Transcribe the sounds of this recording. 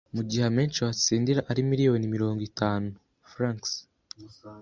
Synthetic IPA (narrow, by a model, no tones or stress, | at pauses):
muɟiɦeme̞ːnt͡ʃiwat͡siːndiɾaʔaɾimiɾijo̞ːnimiɾo̞ːŋɡitaːnuu | fɾaŋks